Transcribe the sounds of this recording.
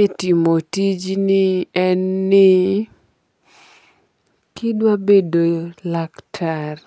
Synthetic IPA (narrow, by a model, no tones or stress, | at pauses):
etimotid͡ʒnɪɛnːɪ | kɪdwabedolaktʰar